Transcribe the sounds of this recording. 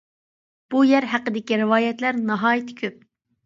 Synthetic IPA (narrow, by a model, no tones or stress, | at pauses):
b̥ujɛɾɦæqəd̪ɪkʲiɾɨwɑːjɛt̪læɾnɑɦɑːjit̪ʰɪ̥kʲʰøp̚